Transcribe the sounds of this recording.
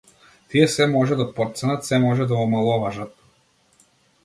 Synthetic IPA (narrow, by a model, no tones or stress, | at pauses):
t̪iɛsɛmɔʒɛd̪apɔt̪sɛnat̪sɛmɔʒɛd̪avɔmalˠɔvaʒat̪̚